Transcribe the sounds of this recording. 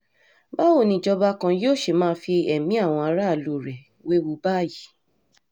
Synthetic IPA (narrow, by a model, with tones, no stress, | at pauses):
ba˦wo˦˨nĩ˧˨d͡ʒɔ˧ba˦kã˧joː˦˨ʃe˨mãː˦˧fi˧ɛ˨mĩ˨˦a˦˨w̃ɔ̃˧a˧ɾa˦˨lu˨ɾɛ˨ | we˦wu˧˦ba˦˨ji˨˦